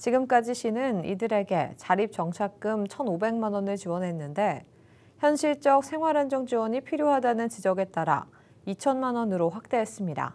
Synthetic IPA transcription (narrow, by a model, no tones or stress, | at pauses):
t͡ɕiɡɯmk͈ad͡ʑiɕʰinɯnḭdɯɾe̞ɡe̞t͡ɕaɾip̚t͡ɕ͈ʌŋt͡ɕʰak̚k͈ɯmt͡ɕʰʌnobe̞ŋmanʌnɯɭt͡ɕiwʌnɦe̞nːɯnde̞ | çjʌnɕʰiɭt͡ɕ͈ʌk̚sʰe̞ŋɦwaɾand͡ʑʌŋd͡ʑiwʌɲipʰiɾjoɦadanɯnt͡ɕid͡ʑʌɡe̞t̚t͈aɾa̰ | it͡ɕʰʌnmanʌnɯɾoɸwak̚t͈e̞ɦes͈ɯmɲida̰